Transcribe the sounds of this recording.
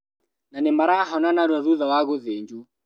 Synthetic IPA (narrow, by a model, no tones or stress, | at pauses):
nanɛmaɾaɦɔnanaɾwaðuðawaɣʊðeɲd͡ʒu